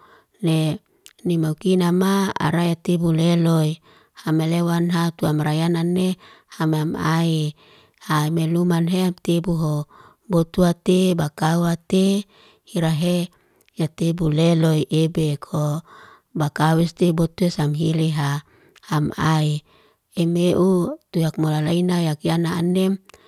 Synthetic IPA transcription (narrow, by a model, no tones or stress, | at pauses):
ne | nimaukinamaa̰ɾajat̪ebuleloi | hamelewanɦat̪uamaɾajananːehamamai | haimelumanɦeat̪ebuɦo | bot̪uat̪ebakauat̪e | hiɾaɦe | jat̪ebuleloiʔebekʰo | bakawɛst̪ebot̪uesamɦiliɦa | hamai | emeʔut̪ujak̚molalainajakijanaːnem